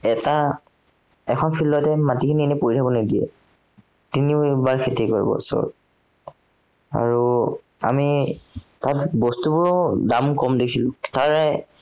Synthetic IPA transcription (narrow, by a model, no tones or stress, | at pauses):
ɛta | ɛkʰɔnpʰilːɔtɛmatikʰiniɛnɛpoɹitʰabɔnediɛ̰ | tinibaɹkʰetikoɹḭbɔ̰sɔ̰ɹ | a̰ɹu | a̰mi | tatbɔstubʊɹɔdamkɔmdekʰilʊtaɹɛ